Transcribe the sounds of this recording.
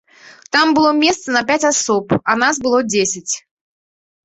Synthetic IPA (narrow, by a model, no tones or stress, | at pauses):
t̪ambɨlˠɔmʲɛst̪sɐnɐpʲat͡sʲasɔpɐnasbɨlˠɔd͡zʲesʲɪt͡sʲ